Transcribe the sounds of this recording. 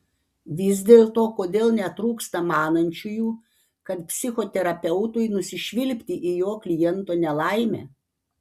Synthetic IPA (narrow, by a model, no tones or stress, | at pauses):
ʋʲɪz̬ʲd̪ʲeːlˠt̪oːkoːd̪ʲeːlˠnʲɛt̪ɾuːkst̪ɐmɑːnɐnʲt͡ʃʲʊjuː | kɐt̪pʲsʲɪxot̪ʲɛɾɐpʲɛʊt̪ʊjnʊsʲɪʃʲʋʲɪlʲpʲt̪ʲiʔɪjoːklʲɪjɛnt̪oːnʲɛlˠɑɪmʲḛː